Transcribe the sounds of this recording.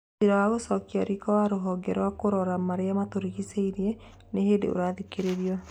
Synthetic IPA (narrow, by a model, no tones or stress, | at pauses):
iɾawaɣosɔkiaɾikɔwaɾoɦɔɡɛɾwakoɾɔɾamaɾeamatoɾiɣiseiɾiɛ | neheːdḛo̰ɾaːðikeɾeɾiɔ